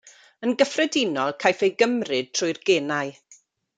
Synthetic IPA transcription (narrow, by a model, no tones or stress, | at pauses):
ənɡəfrɛdɪnɔlˠkʰajfejɡəmrɨd̚tʰrʊɨrɡ̥eːnaɨ